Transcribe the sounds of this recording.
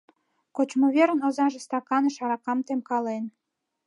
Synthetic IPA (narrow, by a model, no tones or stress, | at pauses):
kot͡ɕmoβeɾənozɑʒest̪ɑkɑnəʃɑɾɑkɑmt̪emkɑlen